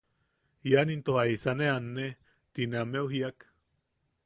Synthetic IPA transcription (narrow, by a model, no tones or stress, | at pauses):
janint̪ohaisaneanːe | t̪ineameuɦiak